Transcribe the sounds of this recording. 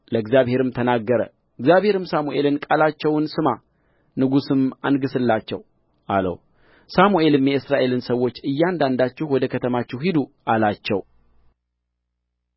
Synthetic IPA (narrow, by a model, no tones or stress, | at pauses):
ləɡzjaβhe̞ɾɨmt̪ʰənaɡːəɾə̰ | ɨɡzjaβhe̞ɾɨmsamuʔe̞lɨnkʼalat͡ʃːɛwnsɨma | nɨɡusɨmanɡɨsɨlːat͡ʃːɛ̰w | ʔa̰lə̰w | samuʔe̞lɨmjɛɨsɾaʔe̞lɨnsəwːo̞t͡ʃːɨjːand̪and̪at͡ʃːɪhwɔd̪əkʰət̪ʰəmat͡ʃːɪɦid̪uʔalat͡ʃːɛ̰w